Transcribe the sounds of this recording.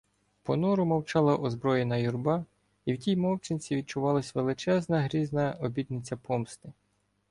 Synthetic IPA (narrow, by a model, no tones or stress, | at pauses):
pɔnɔɾʊmɐwt͡ʃɑlˠɐʔɔzbɾɔjenɐjurbɑ | iwtʲijmɔwt͡ʃenʲt͡sʲiʋʲid̪̚t͡ʃʊʋɑlˠɐsʲʋelˠɪt͡ʃɛznɐɦɾʲiznɐɔbʲid̪nɪt͡sʲːɐpɔmst̪ɪ